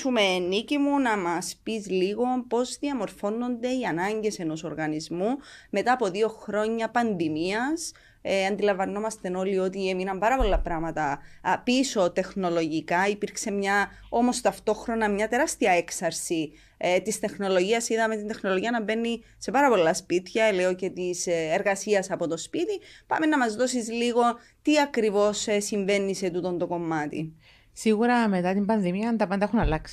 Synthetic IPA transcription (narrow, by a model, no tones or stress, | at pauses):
umenːicimunɐmɐspizliɣo̞po̞zðiɐmo̞ɾfo̞nːo̞nd̪e̞iɐnɐɲɟe̞se̞no̞so̞ɾɣɐnizmume̞t̪ɐːpo̞ðio̞xɾo̞ɲːɐpɐndimiɐs | ɐnd̪ilɐvɐnːo̞mɐst̪e̞no̞lio̞t̪ieminɐmbɐɾɐpo̞lːɐpɾɐmɐt̪ɐpiso̞t̪e̞xno̞lo̞ʝikɐipiɾkse̞mɲɐ | o̞mo̞st̪ɐft̪o̞xɾo̞nɐmɲɐt̪e̞ɾɐst̪iɐe̞ksɐɾsi | t̪ist̪e̞xno̞lo̞ʝiɐsiðɐmet̪ind̪e̞xno̞lo̞ʝiɐnɐbe̞nːi | se̞pɐɾɐpo̞lːɐspit̪çɐleo̞ce̞t̪iseɾɣɐsiɐsɐpo̞t̪o̞spit̪ipɐ̰menːɐmɐzðo̞sizliɣo̞ | t̪iɐkɾivo̞ssiɱve̞nːise̞t̪ut̪o̞nd̪o̞ko̞mːɐt̪ḭ | siɣuɾɐme̞t̪ɐt̪imbɐnðimiɐnt̪ɐpɐnd̪ɐexunɐlɐksi̥